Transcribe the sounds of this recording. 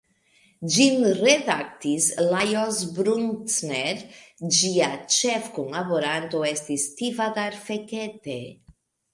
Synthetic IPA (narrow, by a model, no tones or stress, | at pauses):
d͡ʒinredak̚t̪islajozbɾuntneɾd͡ʒiat͡ʃefkunlaβoɾant̪oest̪ist̪ivad̪aɾfeket̪e